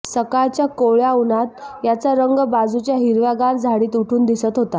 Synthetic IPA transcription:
səkaɭt͡ɕjakoɭjaunat̪jat͡saɾəŋɡbad͡zut͡ɕjaɦiɾʋaɡand͡zʱaɽiːt̪uʈʰuːnd̪isət̪ɦot̪a

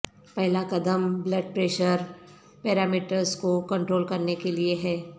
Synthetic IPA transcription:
pɛɦlakɐd̪əmblɐɖ̚pɾeːʃəɾ | pɛːɾaːmiːʈəɾzkokɐ̃ɳʈɾoːlkɐɾnekelieɦɛː

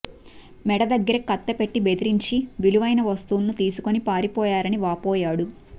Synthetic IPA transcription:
mɛɽɐd̪ɐɡːɐɾɐkɐt̪ːɐpe̞ʈːibed̪iɾiɲt͡ʃiʋiluʋɐjnɐʋɐst̪uːnːut̪iːsukonipaːɾipɔːjaːɾɐniʋaːpɔːjaːɽu

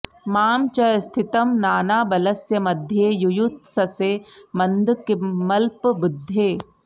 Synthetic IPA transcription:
maːmt͡ʃɐst̪ʰɪt̪ɐmnaːnaːbɐlɐsjɐmɐd̪ʱjejʊjut̪̚sɐsemɐnd̪kɪmɐlpbʊd̪ʱːeː

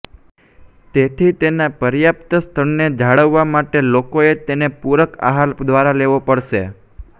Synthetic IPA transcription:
t̪et̪ʰit̪enapəɾjapt̪əst̪ʰəɾned͡ʒʱaɭəʋːamaʈelokoet̪enepuɾəka̰ɦald̪ʱʋaɾaleʋopəɽʃḛ

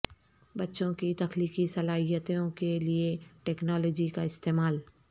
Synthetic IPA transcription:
bɐtːʃõkit̪ɐxliːkisɐlaːɦijət̪õkelieʈeːknɔːlɔːd͡ʒikaɪst̪eːmaːl

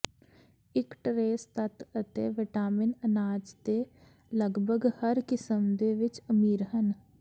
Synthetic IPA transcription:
ɪkʈɾeːst̪ɐt̪ət̪eʋɪʈaːmɪnənaːd͡ʒd̪e | ləɡbʱəɡhəɾkɪsəmd̪eʋɪt͡ʃəmiːɾɦən

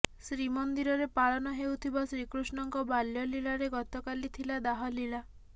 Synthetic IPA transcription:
sɾimɔnd̪iɾɔɾepaɭɔnɔɦewt̪ʰibasɾikɾusnɔŋkɔbaljɔliɭaɾeɡɔt̪ɔkalit̪ʰilad̪aɦɔliɭa

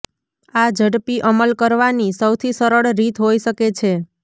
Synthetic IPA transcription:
ad͡ʒəɽpiʔəməlkəɾʋanisəwt̪ʰisəɾəɭɾit̪ʰɦojʃəket͡ʃʰe

